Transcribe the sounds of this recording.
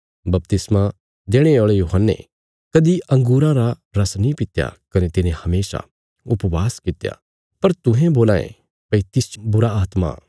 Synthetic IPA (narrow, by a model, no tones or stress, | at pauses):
bɐp̚t̪ɪsmã | d̪eːɽ̃eoːɭejuːɦənːḛ | kɐd̪iʔɐ̃ŋɡuːɾãɾaɾɐsnĩpɪt̪ja̰kɐnet̪ɪnẽhɐmeːsa̰ | ʊpʋaːskɪt̪ja̰ | pɐɾt̪ʊ̃ɦẽboːlaːḛ̃ | pɐit̪ɪsbʊɾaaːt̪ma̰